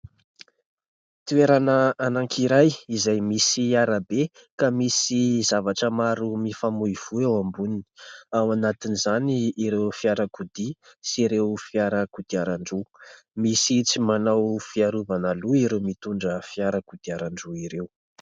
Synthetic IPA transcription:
t̪ueɾanəanaŋkʰiɾajizajmisiaɾabe | kamisizavaʈ͡ʂəmaɾumifamuiv̥uewambunini̥awanat̪inizaniːɾewfiaɾakud̪isiɾewfiaɾəkud̪̥iaɾaɳɖ͡ʐu | misit͡simanawfiaɾuvanaluiɾewmit̪uɳɖ͡ʐəfiaɾakud̪̥iaɾaɳɖ͡ʐuiɾew

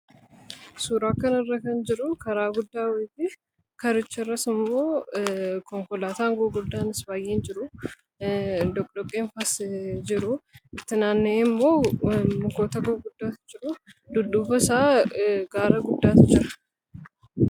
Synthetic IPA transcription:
suːɾaːkɐnɪrːɐkɐnd͡ʒɪɾʊkɐɾaːɡʊd̪ːaːwɛbɪ | kɐɾɪt͡ʃːɛrːɐsɪmːoː | kɔŋkɔlaːt̪aːŋɡoːɡʊd̪ːaːnɪsbaːjʔeːnd͡ʒɪɾʊ | d̪ɔkʼd̪ɔkʼːeːnfɐsd͡ʒɪɾʊɪt̪ːɪnaːnːeːɪmːo̞ːmɡoːt̪ɐɡoːɡʊd̪ːaːt̪ɪ̥d͡ʒɪɾʊd̪ʊduːfɐsaːɡ̥aːɾɐɡʊd̪ːaːt̪ɪd͡ʒɪɾɐ̥

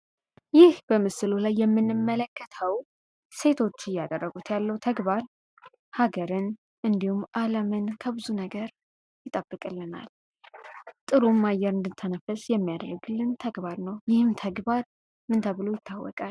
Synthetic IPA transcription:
jɪhb̥əmɨsɨlolajːɛmːɨnːɨmːələkːət̪ʰəw | se̞t̪ʰo̞t͡ʃːɪjːad̪ərːəɡut̪jalːəwt̪ʰəɡbaɾ | haɡəɾɨn | ʔɨnd̪ihumːʔaləmɨnkʰəbɨzunəɡəɾ | jɪt̪ʼəbːɨkʼɨlːɨna̰l | t̪ʼɨɾumːajːɛɾɨnd̪ɨt̪ʰːənəfəsjɛmːijad̪ərːəɡɨlːɨnt̪ʰəɡbaɾnəwjɪhɨmt̪ʰəɡbaɾ | mɨnt̪ʰəβɨlo̞jɪt̪ʰːawːɔ̰kʼal

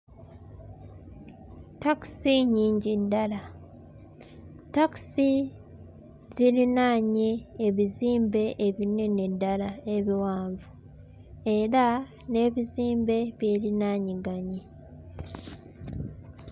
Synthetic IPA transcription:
taksiɲiːɲɟidːala | taksi | ziɾinaːɲiːβiziːmbe̞ʔːβine̞nedːalae̞βiwaːɱvu | e̞ɾa | ne̞ːβiziːmbe̞βje̞ːlinaːɲiɡaɲi

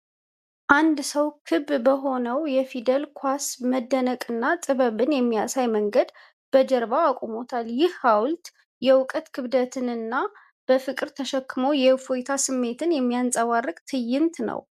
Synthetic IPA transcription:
ʔand̪səwkʰɨbbəɦo̞nəwjɛfid̪əlkʰwasməd̪ːənəkʼɨnːat̪ʼɨβəβɨnjɛmːijasajməŋɡəd̪ | b̥əd͡ʒəɾbaːkʷʼomo̞t̪ʰaljɪhːawlt̪ | jɛwʊkʼət̪kʰɨβd̪ət̪ʰɨnɨnːa | b̥əfɨkʼɨɾt̪ʰəʃəkːɨmo̞jɛfojt̪ʰasɨmːe̞t̪ʰɨnjɛmːijansʼəwarːɨkʼt̪ʰɨjːɪnt̪nə̰w

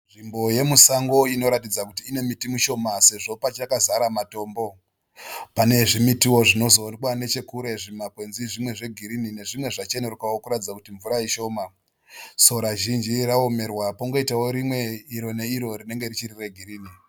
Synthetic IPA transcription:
nʐimbo̞je̞musaŋɡo̞ino̞ɾatid͡zakutiːne̞mitimuʃo̞mase̞ʐo̞pat͡ʃakazaɾamato̞ːmbo̞ | pane̞ʐimitiwo̞ʐino̞zonkwane̞t͡ʃe̞kuɾe̞ʐimakwe̞nziʐimwe̞ʐe̞ɡʱiɾinine̞ʐimwe̞ʐat͡ʃe̞nerukawokuɾatid͡zakutiɱvuɾaiʃo̞ːma | so̞ɾaʒind͡ʒiraome̞rwapoŋɡo̞itawoɾimwe̞iɾo̞ne̞iɾo̞rine̞ŋɡe̞rit͡ʃirireɡʱiɾiːni

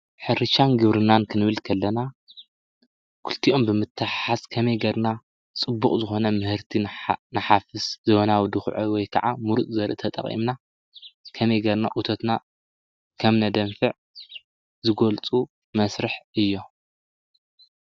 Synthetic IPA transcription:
ħɨɾɨʃanɡɨβɾɨnankʰɨnɨβɨlkʰɐlːɐna | kʰult̪ʰiʔo̞mbɨmɨt̪ʰːɨħħaskʰɐmɐjɡɐɾna | t͡sʼɨbːuχʼzɨxo̞nɐmɨhɨɾt̪ʰinɐħafɨszɨβonawd̪ɨxʕowɔjkʰɐ̰ʕamuɾut̪ʼzɐɾʔɨt̪ʰɐt̪ʼɐ̰χʼʔḭmna | kʰɐmɐjɡɐɾna̰ʔut̪ʰot̪na | kʰɐmnɐd̪ɐmfɨʕ | zɨɡolt͡sʼu | mɐsɾɨħɨjːo̞

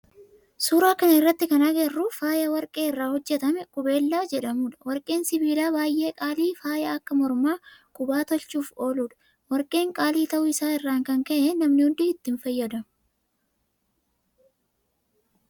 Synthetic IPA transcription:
suːɾaːkɐnɪrːɐt̪ːɪkɐnaɡɛrːʊfaːjɐwɐɾkʼe̞ːɪrːaːhɔd͡ʒːɛt̪ɐmɛkʼʊbe̞ːlːaːd͡ʒɛᶑɐmuːᶑɐ̥wɐɾkʼe̞ːnsɪbiːlaːbaːjʔe̞ːkʼaːliːfaːjɐɐkːɐmɔɾmaːkʼʊbaːt̪ɔlt͡ʃuːfo̞ːluːᶑɐ̥ | wɐɾkʼe̞ːŋkʼaːliːt̪ɐʔʊɪsaːɪrːaːŋkɐŋkɐʔɛnɐmnɪhʊnd̪ɪhɪt̪ːɪnfɐjːɐd̪ɐmʊ

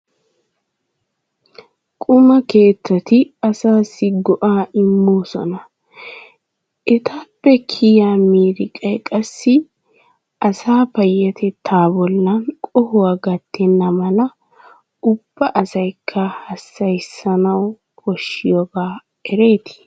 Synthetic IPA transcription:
kʼʊmɐke̞ːt̪ːɐt̪ɪɐsaːsːɪɡɔʔaːʔɪmːoːsɔ̰nɐ | ʔɛt̪ʰaːpːɛkʰɪjaːmiːɾɪkʼɐjkʼɐsːɪ | ʔɐsaːpɐjːɐt̪ʰɛt̪ʰːaːbɔlːɐnkʼɔhʊwaːɡɐt̪ʰːɛnːɐmɐlɐ | ʊb̥ːɐʔɐsɐjkʰːɐhɐsːɐjsːɐnɐw | kɔʃːɪjoɡaː | ɛɾe̞ːt̪ɪ̥

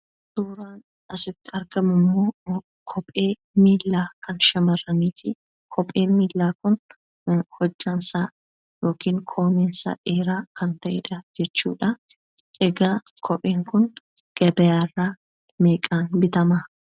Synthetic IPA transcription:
d̪uːɾaːn | ɐsɪt̪ːɪɐɾɡɐmʊmːoː | kʰɔpʼːe̞ː | miːlːaːkɐnʃɐmɐrːɐniːt̪ɪ | kʰɔpʼːe̞ːmiːlːaːkʊn | hɔd͡ʒːaːnsaː | jo̞ːkiːŋkʰoːmeːnsɐ̰ʔeːɾaːkɐnt̪ɐʔɛᶑɐd͡ʒɛt͡ʃːṵːᶑɐ | ʔɛɡaːkʰɔpʼeːŋkʊn | ɡ̥ɐbɛjaːrːaː | meːkʼaːnbɪt̪ɐmɐ

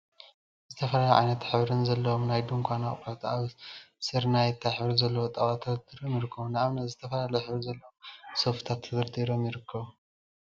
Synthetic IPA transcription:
zɨt̪ʰɐfɐlaloʕa̰jnɐt̪ħɨβɾɨnzɐlːɐwomnajd̪umkʷʰanaχʼkʰat̪aβsɨɾnajɛt̪ʰːaħβɾuzɐlːɐwot̪ʼɐt̪at̪ʰːɨdɨd̪iɾomjɪɾɨkʰːɐβunaaβnɐt̪zɨt̪ʰɐfɐlalɐjħɨβɾuzɐlːɐwomsoft̪ʰat̪ʰːɨzɨɾd̪ʼiɾo̞mjɪɾɨkʰːɐβu

